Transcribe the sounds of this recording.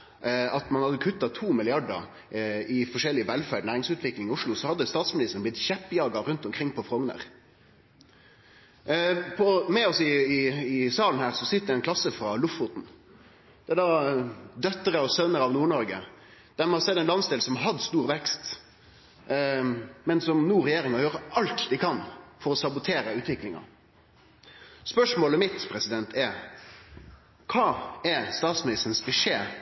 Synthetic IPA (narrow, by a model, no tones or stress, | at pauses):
ɑt̪mɑnhɑd̪ːəkʰʉt̪ːɑt̪ʰuːmɪlɪɑɖə̰ɾ | ɪfɔʂɛlːɪəʋɛlfæːɖnæːɾɪŋsʉːt̪ʰʋɪklɪŋɪʊʂɭʊsɔhɑd̪ːəst̪ɑːt̪smɪnɪst̪ən̩blɪt̪çɛpːjɑːɡɑɾʉnt̪ɔmkʰʁɪŋːpʰɔfʁɔŋnə̰ʁ | pʰɔmɛɔsɪɪɪsɑːln̩hæːʁsɔsɪt̪əd̪ɛnkʰlɑsːəfɾɑlʊfʊt̪n̩ | d̪̥ɛd̪ɑd̪œt̪ːəɾəɔsœnəɾɑʋnuːɳɔɾɡə̰d̪̥æɾmɛhɑsɛd̪ːɛɪnlɑnsd̪eːlsɔmɦɑd̪st̪uːɾʋɛkst̪ | mɛnsɔmnuːɾɛjeːɾɪŋɑjøːɾəʔɑlt̪d̪ɪkʰɑnfɔɾɔsɑbʊt̪ʰeːɾəʉːt̪ʰʋɪklɪŋɑ̰ | spœʂmoːləmɪt̪pʰɾɛsɪd̪ɛnt̪ʰæɾ | kʰɑːæɾst̪ɑːt̪smɪnɪst̪ən̩sbɪʂeː